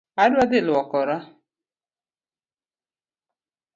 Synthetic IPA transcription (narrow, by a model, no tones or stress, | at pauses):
adʊad̪ɪlʊɔkɔɾa